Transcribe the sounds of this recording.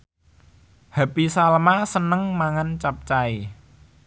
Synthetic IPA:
hapisalmasənəŋmaŋant͡ʃap̚t͡ʃaj

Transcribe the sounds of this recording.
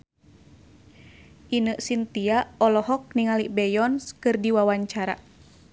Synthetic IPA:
ʔinəʔsint̪iaɔlɔɦɔk̚niŋaliʔbɛjɔnskɨrdiwawaɲt͡ʃaɾa̰

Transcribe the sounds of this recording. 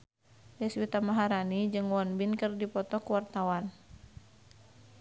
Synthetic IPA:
dɛswit̪amaɦaɾanid͡ʒɨŋwɔnbinkɨrdipɔt̪ɔkuwart̪awan

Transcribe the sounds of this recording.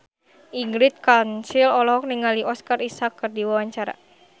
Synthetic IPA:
ʔiŋɡɾit̪̚kansilɔlɔk̚niŋaliʔɔskarisakːɨrdiwawaɲt͡ʃaɾa̰

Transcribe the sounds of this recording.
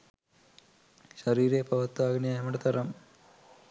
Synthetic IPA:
ʃɐɾiːɾepɐʋɐt̪ːaːɡnijajɐmɐʈɐt̪ʰɐɾɐm

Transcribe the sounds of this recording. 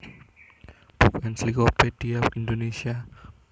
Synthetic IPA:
b̥ukɛnslikoped̥iapindonesia

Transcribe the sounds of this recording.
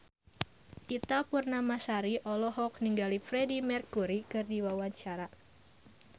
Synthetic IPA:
ʔit̪apurnamasaɾiʔɔlɔɦɔk̚niŋɡalifɾedimɛrkuɾikɨrdiwawaɲt͡ʃaɾa

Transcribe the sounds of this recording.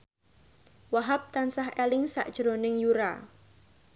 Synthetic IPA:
waɦap̚t̪ansahɛlɪŋsa̰ʔd̥ʒ̥ɾonɪŋjuɾa̰

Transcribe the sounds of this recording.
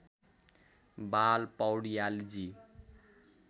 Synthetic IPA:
balpawɽijald͡ʒi

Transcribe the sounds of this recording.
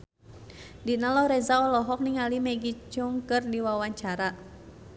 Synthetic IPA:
dinalɔhɾɛzaɔlɔɦɔk̚niŋalimɛɡit͡ʃuŋkərdiwawaɲt͡ʃaɾa

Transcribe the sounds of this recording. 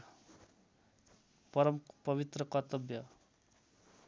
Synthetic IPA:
pʌɾʌmpʌbit̪rʌkʌt̪ʌbjʌ

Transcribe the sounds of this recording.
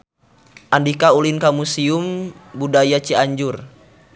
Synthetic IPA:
ʔandikaulinkamusiumbudajat͡ʃiaɲd͡ʒur

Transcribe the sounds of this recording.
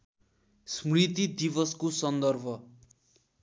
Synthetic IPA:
smrit̪id̪ibʌskosʌnd̪ʌrbʱʌ

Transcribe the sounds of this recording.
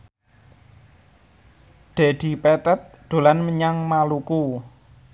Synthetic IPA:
ɖ̪̥e̤d̪̥i̤pɛt̪ɛt̪̚d̪̥o̤lanməɲaŋmaluku

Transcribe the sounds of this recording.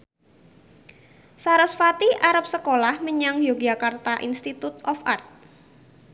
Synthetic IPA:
saɾɔsfat̪iʔaɾap̚səkolahməɲaŋjoɡiakart̪aʔḭnst̪it̪ut̪ɔfart̪̚

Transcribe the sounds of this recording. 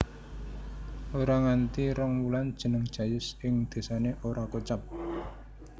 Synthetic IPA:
ʔoɾaŋant̪iɾəŋwuland̥ʒ̥ə̤nəŋd̥ʒ̥ä̤jʊsɪŋd̪̥e̤saneʔoɾakot͡ʃap̚

